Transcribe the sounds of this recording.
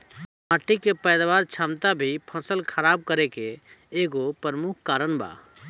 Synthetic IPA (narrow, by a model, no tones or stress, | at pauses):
maːʈikepɛːd̪ʋaːɾt͡ʃʰaːmt̪abʱipʰəsəlkʰəɾaːb̚kəɾekeː | ɡopəɾmukʰkaːɾənba̰ː